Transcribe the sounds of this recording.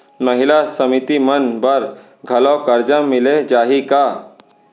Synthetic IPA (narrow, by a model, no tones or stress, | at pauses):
mɐɦɪlasɐmɪt̪imɐnbɐɾ | ɡʱɐlokɐɾd͡ʒãmɪled͡ʒaːɦikaː